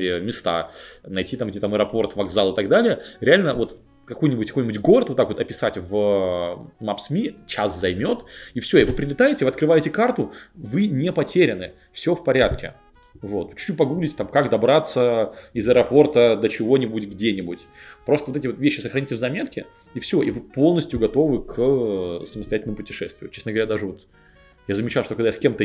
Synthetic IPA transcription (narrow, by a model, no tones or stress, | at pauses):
ɪmʲɪst̪a̰nɐjtʲit̪amt̪ʲit̪aməɾɐpo̞rt̪vɐɡzalˠɨt̪aɡd̪alʲɪjəɾʲɪalʲnəvo̞t̪ | kɐko̞jnʲɪbʊtʲkɐkojnʲɪbʊtʲɡo̞ɾət̪vot̪akvot̪ɐpʲɪsatʲvə | mapsmʲit͡ɕaszɐjmʲo̞t̪ifsʲoivɨpɾʲɪlʲɪt̪ajɪtʲɪvɐt̪kɾɨvajɪtʲɪkart̪ʊvɨnʲepɐtʲeɾʲɪnɨ | fsʲofpɐɾʲat̪kʲɪ̰ | vo̞t̪t͡ɕʉ̥t͡ʃupɐɡɾulʲɪtʲt̪amkakd̪ɐbɾat̪səɪzəɛɾɐpo̞rt̪əd̪ət͡ɕɪvo̞nʲɪbutʲɡdʲenʲɪbutʲpɾo̞st̪əvot̪ɛtʲɪvovʲeɕːɪsəxɾɐnʲitɪvzɐmʲe̞t̪kʲɪ | ifsʲɪo̞ʔivɨpo̞lˠnəsʲtʲjʊɡɐt̪o̞vɨkʰ | səməst̪ɐjætʲɪlʲnəmʊpʊtʲɪ̥ʂɛ̰st̪vʲɪʊt͡ɕesnəɡəvɐɾʲad̪aʐɨvot̪ | jazəmʲɪt͡ɕalˠʂt̪okɐɡd̪ajaskʲemt̪ə